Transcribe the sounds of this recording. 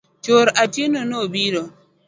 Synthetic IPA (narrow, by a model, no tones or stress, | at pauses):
t͡ʃoɾatinonobiɾɔ